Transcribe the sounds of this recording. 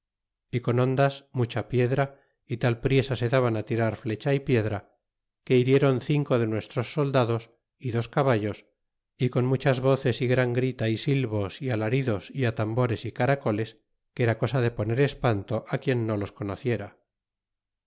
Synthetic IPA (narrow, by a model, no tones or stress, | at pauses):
iko̞nõ̞nd̪asmut͡ʃapje̞ðɾa | it̪alpɾje̞sase̞ðaβanat̪iɾaɾfle̞t͡ʃaipje̞ðɾa | ke̞iɾje̞ɾo̞nθiŋko̞ðe̞nwe̞st̪ɾo̞sːo̞ld̪aðo̞s | iðo̞skaβ̞aʎo̞s | iko̞nmut͡ʃazβo̞θe̞siɣɾaŋɡɾit̪aisilβo̞sialaɾiðo̞siat̪ambo̞ɾe̞sikaɾako̞le̞s | keɾako̞saðe̞po̞ne̞ɾe̞spant̪o̞ʔakje̞nːo̞lo̞sko̞noθje̞ɾa